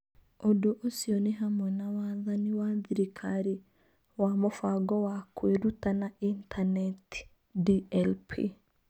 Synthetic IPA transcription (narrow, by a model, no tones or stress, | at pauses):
odoʔosiɔneɦamwɛnawaðaniwaðiɾikʰaɾi | wamofaɡɔwakweɾutanaintʰanɛti̥ | diɛlpʰḭ